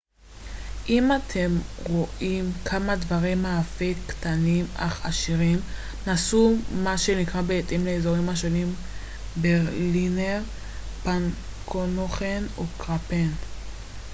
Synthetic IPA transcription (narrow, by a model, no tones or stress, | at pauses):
ʔimat̪ʰe̞mʁo̞ʔimkʰamadvaʁimːaːfektanima̰χa̰ʃiʁim | nasumaʃe̞nikʁabeetimleezoʁimhaʃo̞nim | beʁlineʁ | pan | kʰonoχenokʁapen